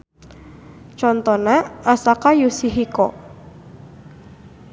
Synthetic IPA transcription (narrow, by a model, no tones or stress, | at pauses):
t͡ʃɔnt̪ɔnaasakajusiɦikɔ